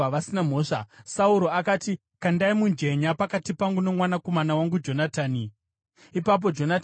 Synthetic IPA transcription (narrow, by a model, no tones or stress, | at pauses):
ʋasinam̤o̞ːʂa̰sauɾo̞akaːti | kandaimund͡ʒe̞ɲapakatipaŋɡuno̞mwanako̞manawaŋɡud͡ʒo̞nataːni | ipap̬o̞d͡ʒo̞nat